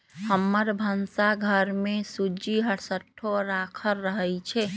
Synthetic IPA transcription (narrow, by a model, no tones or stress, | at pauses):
həmːəɾbʱənsaɡʱəɾmesud͡ʒiɦəɽsəʈʰːoɾakʰəlːəɦəjt͡ʃʰɛ